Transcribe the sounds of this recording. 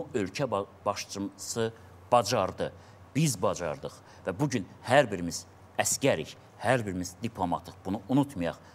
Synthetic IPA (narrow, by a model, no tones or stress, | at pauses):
uø̞lcʰæb̥ɑʃt͡ʃʰmsɯ | b̥ɑd͡ʒɑɾd̪ɯ | bizbɑd͡ʒɑ̰ɾd̪ɯχ | væbuɟynhæɾbiɾimiz̥ | æscæɾḭç | hæɾbiɾimizd̪ipʰlˠo̞mɑ̰t̪ʰɯχb̥unuʔunut̪ʰmɑjɑ̰χ